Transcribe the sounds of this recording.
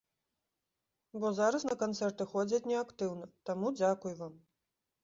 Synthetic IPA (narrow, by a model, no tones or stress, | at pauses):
bɔzaɾɐsnɐkant̪sɛrt̪ɨxɔd͡zʲɐt͡sʲnʲɛakt̪ɨwnɐt̪amud͡zʲakujvam